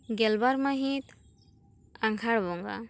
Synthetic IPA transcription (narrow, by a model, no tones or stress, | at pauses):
ɡɛlbaɾmaɦit̪ | aŋkʰaɽbɔŋɡa̰